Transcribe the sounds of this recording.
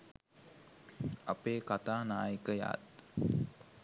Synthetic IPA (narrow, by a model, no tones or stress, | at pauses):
apeːkat̪aːnaːjəkəja̰ːt̪